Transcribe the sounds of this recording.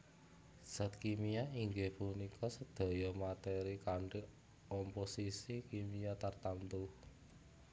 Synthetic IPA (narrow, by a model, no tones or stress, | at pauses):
z̥a̤t̪̚kimijaiŋɡehpunikʰɔsəd̪̥a̤jɔmat̪eɾikaɳʈi | ɔmposisikimijat̪ərt̪ant̪u